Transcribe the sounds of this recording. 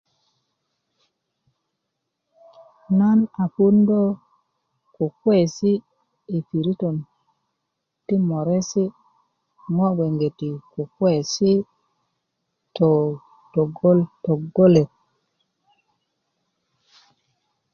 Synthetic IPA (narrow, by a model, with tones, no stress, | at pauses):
na˦na˨fu˦ndo˦ | ku˨kwe˨si˦ | i˨fi˨ɾi˦to˨n | ti˦mo˨ɾe˦si˦ | ŋo˦ɡe˨ŋɡe˨ti˨ku˨kwe˦˨si˦ | to˨ | to˨ɡo˦lto˨ɡo˦le˨t̚